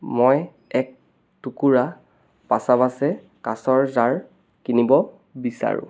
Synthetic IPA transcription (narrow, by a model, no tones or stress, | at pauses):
mɔj | ɛk̚ | tukuɹa | pasabasɛ | kasɔɹzaɹ | kinibɔ | bisa̰ɹʊ̰̃